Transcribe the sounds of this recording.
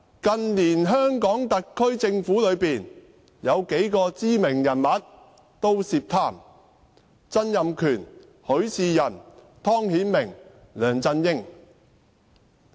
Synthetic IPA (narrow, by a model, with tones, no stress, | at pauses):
kɐ˧nliː˨˩nɦœː˥ŋkɔː˨˥ŋt̪ɐ˨kkʰːɵ˥ɥt͡sɪ˧ŋfuː˨˥lɵ˨˧ɥpiː˨n | jɐ˨˧wke˨˥jkɔː˧t͡siː˥mɪ˨˩ŋjɐ˨˩nmɐ˨˥t̚ | t̪o˥wsiː˧p̚t̪ʰaː˧˥m | t͡sɐ˥njɐ˨mkʰyː˨˩n | hɵ˨˧˥ɥsiː˧jɐ˨˩n | t̪ʰɔː˥ŋhiː˨˥nmɪ˨˩ŋ | lœː˨ŋt͡sɐ˧njɪ˥ŋ